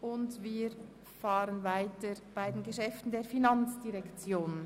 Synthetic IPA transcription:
ʊndviːɾ | faːʁənvaɪtəb̥aɪdeːnɡəʃɛftn̩deːɐfinɑnt͡sd̥iʁɛkt͡sjoːn

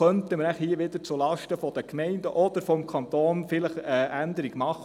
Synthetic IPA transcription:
œntəməɾnæχhiəʋɪd̪əɾt͡sulɑʃtəfɔd̥̪əkmɛɪndəʔɔd̥̪əɾfɔmkʰɑnt̪oːnfɪləχəʔænd̪əɾiɡmɑχː

